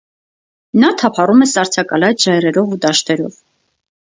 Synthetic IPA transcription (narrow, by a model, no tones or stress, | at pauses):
nɑt̪ʰɑpʰɑrumɛsɑɾt͡sʰɑkɑlɑjt͡sʒɑjrɛɾɔvud̪ɑʃt̪ɛɾɔ̰v